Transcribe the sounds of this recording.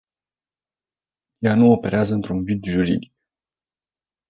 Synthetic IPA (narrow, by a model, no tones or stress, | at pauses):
januope̞ɾeazəɨnt̪ɾunvid̪ʒuɾḭd̪ik̚